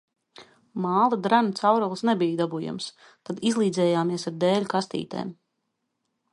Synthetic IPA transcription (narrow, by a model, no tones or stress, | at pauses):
maːlˠad̪ɾanut̪sawɾɔlˠsnɛbijd̪abuja̰ms | t̪ad̪izlˠiːd̪zɛːjaːmiɛsaɾd̪ɛːlʲukast̪ḭːt̪ḛːm